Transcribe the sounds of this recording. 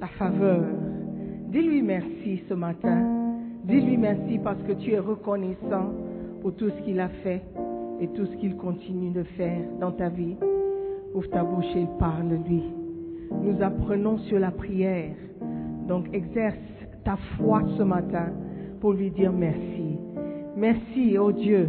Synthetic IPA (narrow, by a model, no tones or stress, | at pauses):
t̪afavœːʁd̪ilɥimɛʁsisəmat̪ɛ̃d̪ilɥimɛʁsipaʁsə̥kət̪yɛʁəkɔnɛsɑ̃puʁt̪usə̥kʲilafɛet̪usə̥kilkɔ̃t̪inyd̪əfɛːʁd̪ɑ̃t̪avi | uft̪abuʃeilpaʁllɥi | nuzapχənɔ̃syʁlapχijɛʁ | d̪ɔ̃kɛɡzɛʁs | t̪afwasəmat̪ɛ̃puʁlɥid̪iːʁmɛʁsimɛʁsiod̪jø